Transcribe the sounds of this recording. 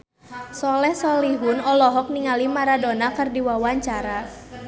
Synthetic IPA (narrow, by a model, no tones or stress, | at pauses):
sɔlɛhsɔliɦunɔlɔɦɔk̚niŋalimaɾadɔnakərdiwawaɲt͡ʃaɾa